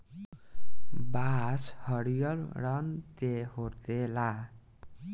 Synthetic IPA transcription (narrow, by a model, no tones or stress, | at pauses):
bashʌɽijʌlɾʌnt̪ehoɾt̪ela